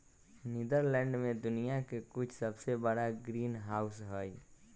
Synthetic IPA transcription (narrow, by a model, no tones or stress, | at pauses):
nɪd̪əɾlɛ̃ːɳɖmẽd̪ʊnijakekʊt͡ʃʰsəbsebəɽaɡɾiːnɦaːʊsɦoːi